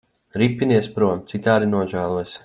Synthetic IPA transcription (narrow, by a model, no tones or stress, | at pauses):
ɾipʲːiniɛspɾuɔmt̪sikt̪aːɾinuɔʒæːlˠuɔjs